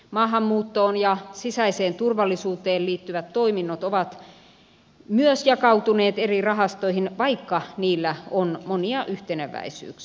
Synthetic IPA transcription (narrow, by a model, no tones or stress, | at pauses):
mɑːɦɑmːuːt̪ːoːnjɑsisæiseːnt̪urʋɑlːˑisuːt̪eːlliːt̪ːyʋæt̪toiminːot̪oʋɑt̪ | myøsjɑkɑut̪uneːt̪erirɑɦɑst̪oihinʋɑikːɑniːlːæonmoniɑʔyht̪eneʋæ̰isy̰ːks